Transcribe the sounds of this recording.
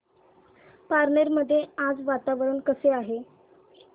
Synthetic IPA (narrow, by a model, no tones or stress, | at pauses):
paɾneɾməd̪ʱːjead͡zʋat̪aʋɾuːɳkəseaɦe